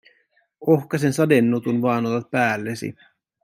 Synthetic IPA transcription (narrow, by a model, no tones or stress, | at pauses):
ohkɑsensɑdenːut̪unʋɑːnot̪ɑt̪̚pæːlːesḭ